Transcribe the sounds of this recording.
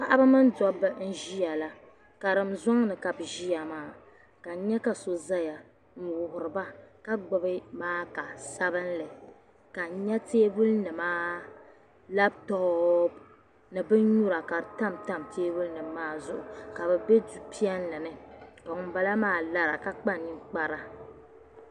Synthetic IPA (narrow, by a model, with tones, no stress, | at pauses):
pa˦ʔa˦ba˦mɨ˦n˦dɔ˦bɨ˦n̩˦ʒi˦ja˨la˦ | ka˨ɾɨ˨m̩za˦ŋnɨ˨ka˨bʒi˦a˨maː˦˨ | ka˨ɲɛ˦ka˨so˨za˦ja˨ | ŋ̩˨wʊ˨hʊ˨ɾɨ˨ba˦ka˦ɡ͡bɔ˦bɨ˦maː˦ka˨sa˦bɨ˦nlɨ˨ | ka˨ɲɛ˦teː˦bu˦lnɨ˨maː˦ | la˦b̚tɔ˦b | nɨ˨bɨ˦n˦ɲu˦ɾa˨ka˨ɾta˦mta˦mtʰeː˦bu˦lnɨ˨mː˦aː˦zʊ˦˨ʔʊ˨ka˨bɛ˨bɛ˦du˦pi˦ɛ˦n˦lɨ˨nɨ˦ka˨ŋʊ˨˦ba˦la˦maː˦la˦ɾa˨ka˦k͡pa˦nːi˦k͡pa˦ɾa˦